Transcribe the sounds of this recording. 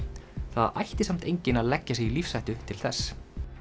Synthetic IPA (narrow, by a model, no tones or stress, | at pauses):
θa̰ða̰jht̪ɪsam̥t̪ejɲcɪnaðlɛcːasɛɣilifsajht̪ʏt̪ʰɪl̥θɛs